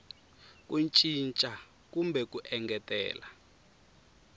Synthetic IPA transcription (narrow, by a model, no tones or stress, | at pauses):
k̬unt͡ʃʼint͡ʃʼa | kumbɛkuʔɛŋɡɛtʼɛ̰ːla